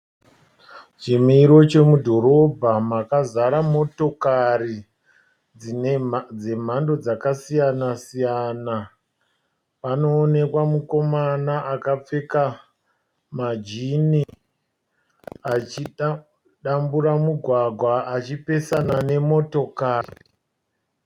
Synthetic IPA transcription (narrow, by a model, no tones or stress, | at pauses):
t͡ʃimiɾo̞t͡ʃe̞mudʱo̞ɾo̞bʱamakazaɾamo̞to̞kari | d͡ze̞m̤ando̞d͡zakasijanasijana | pano̞ːne̞kwamuko̞manaʔakap͡fe̞ka | mad͡ʒini | at͡ʃi | ɗamburamuɡʱwaɡʱwaat͡ʃipe̞sanane̞mo̞to̞kaːri